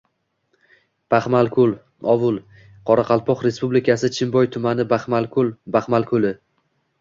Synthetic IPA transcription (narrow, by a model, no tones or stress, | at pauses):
b̥aχmalˠkʲʰʊlˠ | ɒvʊlˠ | qʰɒɾaqʰɑlˠpʰɒqɾe̞spublɪkʲʰasɪt͡ʃʰɪmbɒjt̪ʰʊmanɪbaχmalkʰʊlˠbaχmalˠkʰʊlɪ